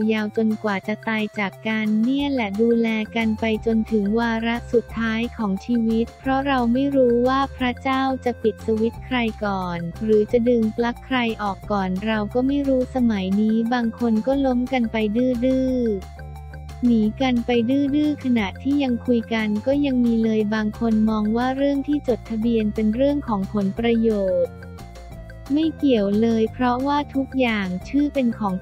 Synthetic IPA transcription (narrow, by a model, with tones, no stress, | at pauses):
jaː˧wt͡ɕo˧nkwaː˨˩t͡ɕa˨˩t̪aː˧jt͡ɕaː˨˩kːa˧nːi˥˩əlɛ˨˩duː˧lɛː˧ka˧npa˧jt͡ɕo˧nt̪ʰɯ˩˦ŋwaː˧ɾa˦˥ʔsu˨˩t̪ʰːaː˦˥jkʰɔː˩˦ŋt͡ɕʰiː˧wi˦˥t̪̚pʰɾɔ˦˥ɾa˧wma˥˩jɾuː˦˥waː˥˩pʰɾa˦˥t͡ɕaː˥˩wt͡ɕa˨˩pi˨˩t̪̚su˧wi˦˥t̪̚kʰɾa˧jkɔː˨˩nɾɯː˩˦t͡ɕa˨˩dɯː˧ŋpla˦˥kʰːɾa˧jʔɔː˨˩kːɔː˨˩nɾa˧wkɔː˥˩ma˥˩jɾuː˦˥sa˧ma˩˦jniː˦˥baː˧ŋkʰo˧nkɔː˥˩lo˦˥mka˧npa˧jdɯː˥˩dɯː˥˩ | niː˩˦ka˧npa˧jdɯː˥˩dɯː˥˩kʰa˧na˨˩ʔt̪ʰiː˥˩ja˧ŋkʰu˧jka˧nkɔː˥˩ja˧ŋmiː˧lɤː˧jbaː˧ŋkʰo˧nmɔː˧ŋwaː˥˩ɾɯ˥˩əŋt̪ʰiː˥˩t͡ɕo˨˩t̪ʰːa˧bi˧ənpe˧nɾɯ˥˩əŋkʰɔː˩˦ŋpʰo˩˦npɾa˧joː˨˩t̪̚ | ma˥˩jki˨˩əwlɤː˧jpʰɾɔ˦˥waː˥˩t̪ʰu˦˥k̚jaː˨˩ŋt͡ɕʰɯː˥˩pe˧nkʰɔː˩˦ŋ